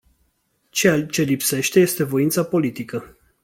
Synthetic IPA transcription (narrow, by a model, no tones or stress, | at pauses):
t͡ʃealt͡ʃe̞lipse̞ʃt̪e̞je̞st̪e̞vo̞int̪sapo̞lit̪ikə